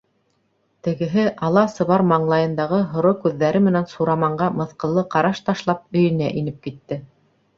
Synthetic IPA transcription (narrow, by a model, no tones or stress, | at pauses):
t̪ɘ̆ɡɘ̆ɦɘʔɑlˠɑsɤ̆βɑɾmɑɴlˠɑjɤ̆nd̪ɑʁɤɦŏɾokʉðːæɾɘmɘ̆nænsuɾɑmɑɴɢɑmɤ̆θqɤ̆lˠːɤqɑɾɑʃt̪ɑʃlˠɑp̚ɵ̆jɘ̆næʔinɘp̚kit̪ːɘ